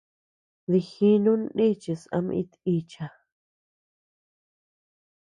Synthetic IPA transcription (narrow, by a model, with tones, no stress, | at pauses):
ði˧xi˦nũ˦n˦ɗi˦t͡ʃi˧sa̰˧m˧ḭ̃˧t̪i˧t͡ʃa˨